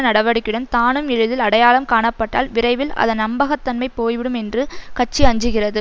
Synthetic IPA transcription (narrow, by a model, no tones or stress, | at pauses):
nɐɽɐʋɐɽɯkːɪɽɐnt̪aːnɯmɪɻɯðɪlɐɽɐjaːlɐmkaːɳɐpːɐʈːa̰ːlʋɪɾɐɪʋɪlɐ̰ðɐnɐmbɐɣɐt̪ːɐnmɐɪpːoːjʋɪɽɯmɛndrɯkɐt͡ʃːiɐɲd͡ʒɯɣɪrɐðɯ